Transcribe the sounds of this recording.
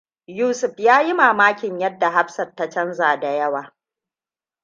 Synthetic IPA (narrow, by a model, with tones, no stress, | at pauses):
juː˦sʊ˨ɸjaː˦ji˦maː˨maː˦kʲɪ˨ɲjɐ˦dːa˨ɦa˦ɸsɐ˨rtːa˦t͡ʃɐ˦nzaː˨da˨jɐ˦waː˨